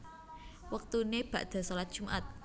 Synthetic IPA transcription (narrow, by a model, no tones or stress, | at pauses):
wək̚t̪uneb̥ä̤ʔd̪̥a̤solat̪̚d̥ʒ̥ṳmʔat̪̚